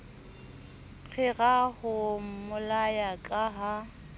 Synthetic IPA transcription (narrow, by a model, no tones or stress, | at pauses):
k͡xʰɪɣahʊmʊlajakʼaɦa